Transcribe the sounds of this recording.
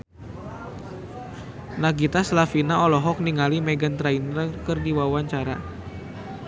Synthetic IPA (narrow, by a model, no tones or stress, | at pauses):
naɡit̪aslafinaɔlɔɦɔk̚niŋalimɛɡant̪ɾainəkərdiwawaɲt͡ʃaɾa